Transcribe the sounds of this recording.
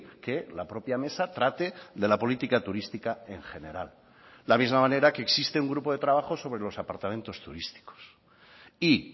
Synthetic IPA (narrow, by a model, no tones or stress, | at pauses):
ke̞lapɾo̞pjame̞sat̪ɾat̪e̞ðe̞lapo̞lit̪ikat̪uɾist̪ikae̞ŋxe̞ne̞ɾa̰l | lamizmamãne̞ɾake̞ːksist̪e̞uŋɡɾupo̞ðe̞t̪ɾaβaxo̞so̞β̞ɾe̞lo̞sapaɾt̪amẽ̞nt̪o̞st̪ṵɾist̪i̥ko̥s | i